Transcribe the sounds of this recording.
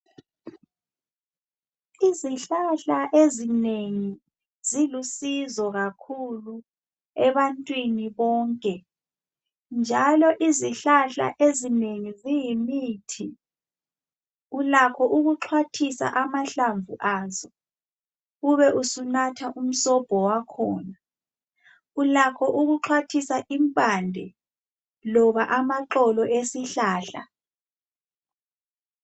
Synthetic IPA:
iziɬaɬaʔezineŋi | z̥ilusizɔɣakʰulu | ɛβantʼwiniβɔːŋkʼɛ | nd͡ʒʱalɔʔiziɬaɬa̰ʔezineŋizijimitʰi | ulakʰɔʔuɣuǁʰwatʰisa̰ʔamaɬaɱvuʔaːzɔ | uβɛʔusunatʰaʔum̩sɔb̥ʱɔwakʰɔːna | ulakʰɔʔuɣuǁʰwatʰisaʔimpʼandʱɛ | lɔβaʔamaǁɔlɔʔesiɬaːɬa̰

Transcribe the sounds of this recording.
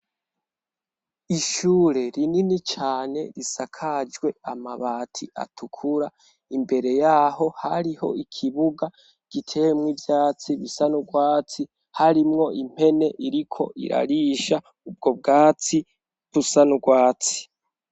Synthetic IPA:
iʃuːɾe̞ɾininit͡ʃaːne̞̰ɾisakʰad͡ʒɡwe̞amaβaːtʰiʔa̰tʰukʰuɾa | imbe̞ɾe̞jaːɦo̞ha̰ɾiho̞̰ikʰiβuɡa | ɡ̥itʰe̞wemŋivjaːt͡siβisanuɡwaːt͡si | haɾimŋo̞ʔim̥he̞ne̞ʔiɾikʰo̞̰ʔḭɾa̰ɾiʃa | ub̚ɡo̞b̚ɡaːt͡si | βusanuɡwaːt͡si̥

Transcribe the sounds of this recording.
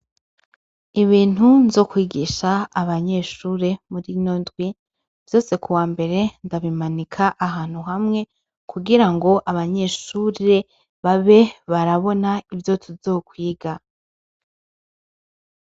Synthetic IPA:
iβiːn̥unzo̞ːkwiːɡiːʃaːβaɲe̞ʃuɾe̞muɾiɲondɡwi | v̥jo̞ːse̞kuwaːmbe̞ɾe̞ndaβimanikʰaʔaɦaːn̥huɦamŋe̞ | kuɡiɾaŋɡo̞ʔaβaɲe̞ʃuːɾe̞ | βaβe̞βaɾaβo̞naivjo̞tʰuzoːkwiːɡa

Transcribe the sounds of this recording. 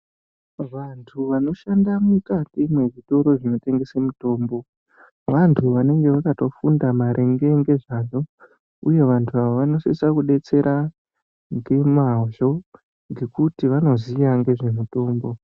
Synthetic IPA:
ʋantʰuʋano̞ʃandamukatimwe̞ʐito̞ɾo̞ʐino̞te̞ŋɡe̞semuto̞ːmbo̞ | ʋantʰuʋane̞ŋɡe̞ʋakato̞fundamaɾʔe̞ŋɡe̞ŋɡe̞ʐaʐo̞ | uje̞ʋantʰuaʋoʋano̞sesakuɗe̞t͡se̞ɾʔa | ŋɡe̞maʒo̞ | ŋɡe̞kutiʋano̞zijaŋɡe̞ʐe̞muto̞ːmbo̞

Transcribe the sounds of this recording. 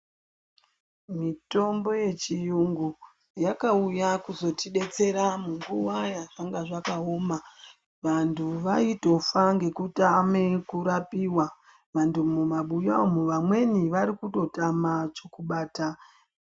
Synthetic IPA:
mito̞mbo̞je̞t͡ʃijuŋɡu | jakaujakuzo̞tiɗe̞t͡se̞ɾamuŋɡuʋajaʐaŋɡaʐakaoːma | ʋantʰuʋaito̞faŋɡe̞kutame̞kuɾapiwa | ʋantʰumumaɓujamuʋamwe̞niʋaɾikuto̞tamat͡ʃo̞kuɓaːta

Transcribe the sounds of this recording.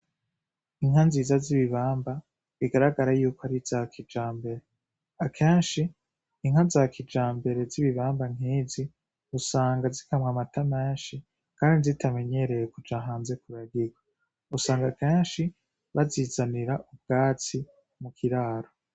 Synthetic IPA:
iŋ̥hanziːzaziβiβaːmba | βiɡaɾaɡaɾajuːkoaɾiz̥aːkʰid͡ʒaːmbe̞ɾe | akʰeːnʃiː | ŋ̥azakʰid͡ʒaːmbe̞ɾe̞ziβiβaːmbaŋ̥ɦiːzi | usaːŋɡazikamŋamatameːnʃi | kaːndizitʰame̞ɲe̞ɾe̞jekud͡ʒaɦaːnze̞kuɾaɡiɡwa | usaːŋɡakeːnʃi | βazizaniɾaʔub̚ɡ̥aːt͡si | mukʰiɾaːɾo

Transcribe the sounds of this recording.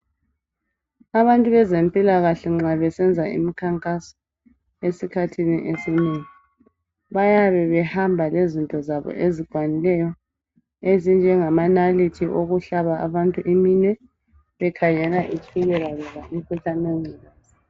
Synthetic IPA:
aβantʼuβɛzempʼilaɣaɬɛŋ͡ǁaβɛsɛnd͡zʱaḭmikʰaŋkʼasɔ̥ | esikʰatʰinḭʔesineːŋi | βajaβɛβɛhambʱalezintʼɔzaβɔ̰ʔeziɡ̥ʱwanilɛjɔ | ezind͡ʒʱɛŋamanalitʰiʔoɣuɬaβaʔa̰βantʼuʔiminwɛ | βɛkʰaɲɛlaʔit͡ʃʼiɣɛɣalɔɣamikʰuɬameŋ͡ǀiːna

